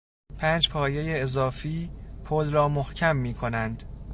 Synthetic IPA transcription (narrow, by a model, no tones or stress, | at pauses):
pʰæːnd͡ʒpʰɒːjejeːzɒːfiːpʰolɾɒːmohcʰæmːiːkʰo̞nænd̪̥